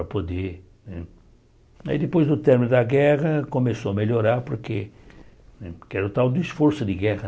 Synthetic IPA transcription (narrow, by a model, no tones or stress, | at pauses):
ɾɐpod̪e | nɛ | a̰id̪ɪpojzd̪ʊt̪ɛɾmɪnʊd̪ɐɡɛʁɐkomesoɐmeʎoɾaɾpoɾkḛ | nɛkɛɾʊt̪awd̪ʊisfoɾsʊd̪ɪɡɛʁɐ